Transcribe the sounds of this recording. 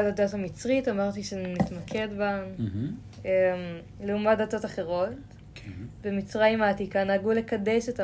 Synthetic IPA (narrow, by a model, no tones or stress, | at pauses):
aladothamit͡sʁitamaʁt̪iʃenitmakʰe̞dba | em | leumadato̞taχe̞ʁo̞t̪ | kbemit͡sʁajimhaːtikanaːɡule̞kadeʃeta